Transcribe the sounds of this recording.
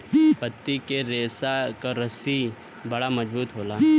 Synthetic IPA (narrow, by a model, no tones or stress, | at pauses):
pɐt̪ːikeɾeːsakaɾɐsi | bɐɽamɐd͡ʒbuːt̪ɦoːlaː